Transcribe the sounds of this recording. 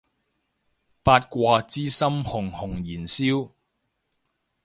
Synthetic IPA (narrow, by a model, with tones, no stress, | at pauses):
paː˧t̚kʷɔː˧t͡siː˥sɐ˥mhʊ˨˩ŋhʊ˨˩ŋjiː˨˩nsiː˥w